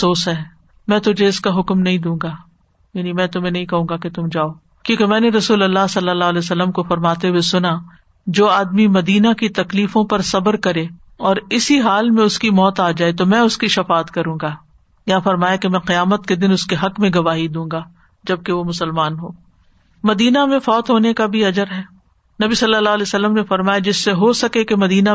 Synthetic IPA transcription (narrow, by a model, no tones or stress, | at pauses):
soːsɦɛː | mɛ̃ːt̪ʊd͡ʒʱeɪskaɦʊkmnɐɦĩd̪ũːŋɡaː | jaːnimɛ̃ːt̪ʊm̤ẽnɐɦĩkɐɦũːŋɡaket̪ʊmd͡ʒaːoː | kjõːkemɛ̃ːneɾɐsuːlɐlːasɐlːəlːaːɦlɛːosɐlːəmkofɐɾmaːt̪eɦuwesʊna | d͡ʒoːaːd̪mimɐd̪iːnakit̪ɐkliːfõpɐɾsɐbəɾkɐɾẽː | ɔːɾɪsiɦaːlmẽʊskimɔːt̪aːd͡ʒaːet̪omɛ̃ːʊskiʃɐfaːt̪kɐɾũːŋɡaː | jɐɦãfɐɾmaːjakemɛ̃ːqɪjaːmət̪̚ked̪ɪnʊskeɦɐkmẽɡɐʋaːɦid̪ũːŋɡaː | d͡ʒɐb̚keʋomʊsəlmaːnɦoː | mɐd̪iːnamẽfɔːt̪ɦoːnekabʱiɐd͡ʒəɾɦɛː | nɐbisɐlːalːaːɦlɛːsɐlːəmnefɐɾmaːjad͡ʒɪsːeɦosɐkekemɐd̪iːna